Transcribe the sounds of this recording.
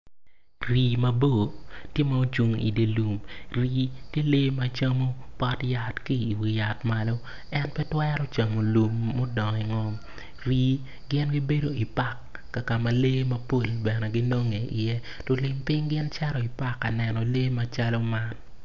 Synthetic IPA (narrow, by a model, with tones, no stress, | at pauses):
ri˨mɐ˨bo˦˨tje˦ma˨o˦t͡ʃu˨ŋḭ˨de˨lu˨mri˦tje˦le˦ma˨t͡ʃa˦mo˦pɔ˦tja˨tkiː˦˨wi˨ja˨tma˨lo˦ | ɛ˦npɛ˦twɛ˦ɾɔ˦t͡ʃa˨mo˨lu˨mːo˦dɔ˨ŋ˨i˨ŋɔ˦m | ri˦ | ɡɪ˦nɡi˦be˦do˦i˨pa˦˨kː | a˨ka˨ma˨le˦mɐ˦po˦˨lbɛ˨nɛ˨ɡi˦no˦ŋe˨ʔɪ˨jɛ˦ | to˨li˨mpɪ˦ŋɡɪ˦nt͡ʃɛ˦ɾɔ˨i˨pa˦kːa˨nɛ˨nɔ˨le˦ma˨t͡ʃa˦lɔ˦ma˦n